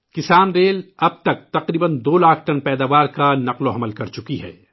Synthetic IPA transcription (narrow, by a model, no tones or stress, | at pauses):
kɪsaːnɾeːlɐb̚t̪ɐk̚t̪ɐqɾiːbənd̪oːlaːkʰʈɐnpɛːd̪aːʋaːɾkanɐqloɐməlkɐɾt͡ʃʊkiɦɛ̰ː